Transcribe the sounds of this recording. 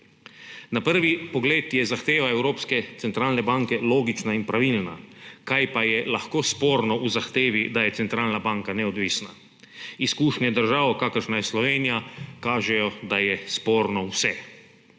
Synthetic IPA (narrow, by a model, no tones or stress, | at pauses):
napəɾʋipɔɡleːt̪jɛzaxt̪eːʋaɛwɾoːpskɛt̪sɛnt̪ɾaːlnɛbaŋkɛloːɡit͡ʃnainpɾaʋilna̰kajpajɛlaxkoːspoːɾnɔuzaxt̪eːʋid̪ajɛt̪sɛnt̪ɾaːlnabaŋkanɛɔd̪ʋisna | iskuːʃɲɛd̪əɾʒaːwkakəɾʃnajɛslɔʋeːnijakaːʒɛjɔd̪ajɛspoːɾnɔwsɛ